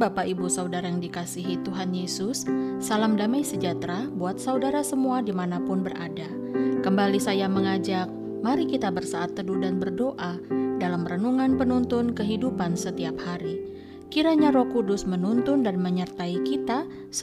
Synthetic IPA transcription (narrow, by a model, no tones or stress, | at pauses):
bapaibusaudaɾajaŋdikasiɦit̪uɦanjesʊsːalamdamajsəd͡ʒat̪ɾabuat̪̚saudaɾasəmuadimanapʊnbərada | kəmbalisajaməŋad͡ʒak̚ | maɾikit̪abərsaːt̪ːədudanbərdoʔadalamrənuŋanpənunt̪ʊnkəɦidupansət̪iaphaɾi | kiɾaɲaɾɔkudʊsmənunt̪ʊndanməɲərt̪aikit̪a | s